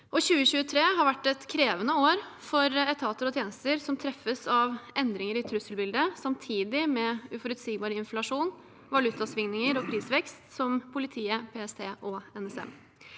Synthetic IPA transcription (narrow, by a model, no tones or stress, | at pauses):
ʔɔɕʉːəɕʉːət̪ʰɾeːɦɑɾʋæʈːɛt̪kʰɾeːʋənəoːɾfɔɾɛt̪ʰɑːt̪əɾɔt̪ʰjeːnəst̪əɾsɔmt̪ʰɾɛfːəsɑʋʔɛnd̪ɾɪŋəɾɪt̪ʰɾʉsəlbɪld̪əsɑmt̪ʰiːd̪ɪmɛʉfɔɾʉt̪siːɡbɑːɾəɪnflɑʂuːn | ʋɑlʉt̪ɑsʋɪŋnɪŋəɾɔpʰɾiːsʋɛkst̪sɔmpʰʊlɪt̪ʰiːəpʰeːɛst̪ʰeːʔɔɛnɛsɛ̰m